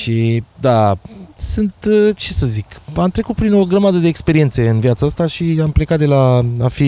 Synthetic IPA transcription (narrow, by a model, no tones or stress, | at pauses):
ʃid̪asɨnt̪t͡ʃe̞səzikamt̪ɾe̞kut̪̚pɾino̞ɡɾəmad̪əd̪e̞ːkspe̞ɾie̞nt̪se̞ɨnviat̪saast̪aʃiample̞kat̪̚d̪e̞laafi